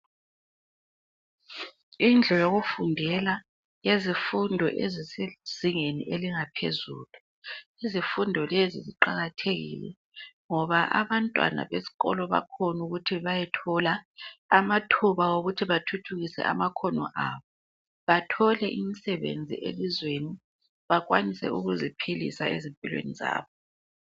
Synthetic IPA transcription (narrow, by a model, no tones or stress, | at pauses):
ind͡ɮʱɔjoɣufundʱɛla | jezifundʱɔ̰ʔezisez̥iŋeniʔeliŋapʰḛzṵːlu | izifundʱɔleziziǃaɣatʰeɣḭlɛ̰ | ŋɔβaʔaβantʼwa̰na̰βesi̥ɣɔ̰lɔβa̰kʰɔnuɣutʰiβajɛtʰɔlaːmatʰuβawoɣutʰiβatʰutʰuɣisɛ̰ʔa̰makʰɔnɔ̰ʔa̰βɔ | βatʰɔlɛʔimisɛβḛnd͡zʱḭʔḛlizweni | βaɣwanisɛ̰uɣuzipʰilḭsaezimpʼilwḛniza̰ːβɔ